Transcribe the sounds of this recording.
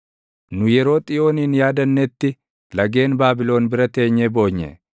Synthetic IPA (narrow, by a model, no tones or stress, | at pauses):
nʊjɛɾo̞ːt̪ʼɪjo̞ːniːnjaːd̪ɐnːɛt̪ːɪ | lɐɡe̞ːnbaːbɪlo̞ːnbɪɾɐt̪e̞ːɲːebo̞ːɲːɛ̰